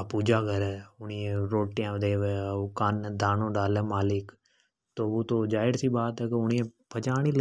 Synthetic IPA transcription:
puːd͡ʒaːkəɾɛːʊniːẽɾoːʈɪjãːd̪eːʋeːokand̪ʱaːnõːɖaːleːmaːlɪk | t̪oːʋoːt̪oːd͡ʒaːɪɽsiːbaːt̪ɛːkʊnĩːẽː | pʰət͡ʃaːɽ̃iːl

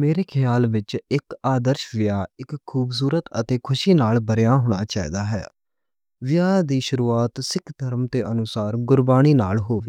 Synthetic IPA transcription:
meːɾeːkʰɪjaːlʋɪt͡ʃɪkaːd̪əɾʃʋɪjaːɪkʰːuːbs̬uːɾət̪ət̪eːkʰʊʃiːnaːlbəɾjaːɦoːɽ̃aːt͡ʃaːḭːd̪aːɦɛ̰ː | ʋɪjaːd̪iːʃʊɾuːaːt̪sɪkʰd̪ʱəɾmt̪eːʔənʊsaːɾɡʊɾbaːñiːna̰ːlɦoːʋiː

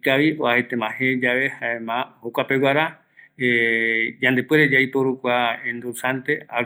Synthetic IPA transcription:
kaʋioahet̪ẽmãhẽd͡ʒaʋe̞haẽmãhokʷape̞waɾa | ed͡ʒãnd̪e̞pweɾed͡ʒajpoɾukʷaẽnd̪usant̪e̞a

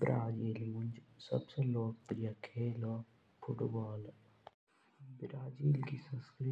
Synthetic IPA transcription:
bɾaːd͡ʒiːlũnd͡ʒsɐ̰bseloːk̚pɾijakʰeːloː | fʊʈbaːl | bɪɾaːd͡ʒiːlkisə̃nskɾi

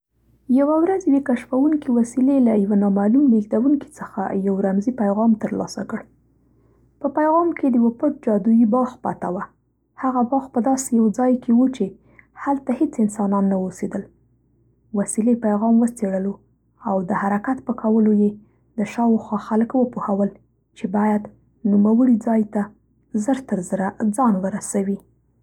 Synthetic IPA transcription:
jawawɾazjwekaʃfawuŋkiwasilelajawanɑmalumliɡd̪awuŋki̥t͡səxa̰jawɾamzipajɣɑmt̪əɾlɑ̰sa̰kəɽ | pəpajɣɑmked̪əjwapəʈ̚d͡ʒɑd̪ujibɑxpɑ̰t̪awa | haɣabɑxpəd̪ɑsejawd͡zɑjkʰewut͡ʃe | halt̪ahet͡sɪnsɑnɑnːawosed̪əl | wasilepajɣɑmwət͡seɽəlo | awd̪əhaɾakat̪pəkʰawəloje | d̪əʃɑwxwɑxalkwəpohawəl | t͡ʃebɑjad̪ | numawəɽid͡zɑjt̪a | zəɾt̪əɾzəɾad͡zɑnwəɾasawi

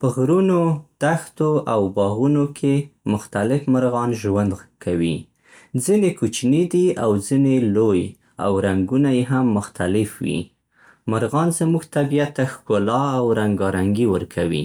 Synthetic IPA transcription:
pəɣɾunot̪axt̪oʔawbɑɣunokʰemʊxt̪alɪfmaɾɣɑnʒwand̪kʰawḭ | zinekut͡ʃnid̪iawzineloj | a̰wɾaŋɡunajeɦamːʊxt̪alɪfwḭ | maɾɣɑnzəmuɡt̪abijat̪ːaxkolɑawɾaŋɡɑɾaŋɡiwəɾkʰawḭ

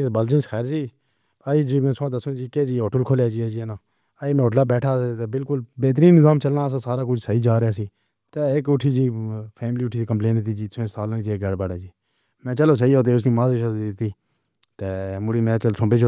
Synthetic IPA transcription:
sbəld͡ʒənsxʰɛːɾd͡ʒiː | aːiːd͡ʒiːmɛ̃ːsãːd̪əsũːd͡ʒiːkeːd͡ʒiːoːʈəlkʰoːljaːd͡ʒiːaːd͡ʒienãː | aiːmɛ̃ːɦoːʈlaːbɛːʈʰaːet̪eːbɪlkʊlbeːt̪ɾiːnːɪzaːmt͡ʃəlnaːs̬ãːsaːɾaːk̬ʊt͡ʃʰsəiːd͡ʒaːɾɪjaːsiː | t̪eːɪkʊʈʰiːd͡ʒiːpʰɛːmliːʊʈʰiːsiːkəmpleːnɪt̪iːd͡ʒiːsẽːsaːlːniːd͡ʒiːɡɛːɽbaːɽaːd͡ʒiː | mɛ̃ːt͡ʃəloːs̬əɦiːɦoːt̪̬eːʊsniːmãːzeʃaɪt̪iː | t̪eːmʊɽiːmɛ̃ːt͡ʃəlsõːbeːt͡ʃʰː

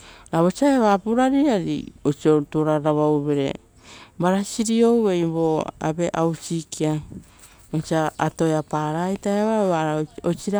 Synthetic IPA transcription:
ɾaβot͡ʃaeβapuɾaɾiaɾḭot͡ʃiotoɾaɾaβawβeɾe̞̰ | baɾasiɾio̞we̞jβo̞a̰be̞ʔawt͡ʃikʰia | ot͡ʃiaato̞eapaɾajtajaβaβaot͡ʃiɾa

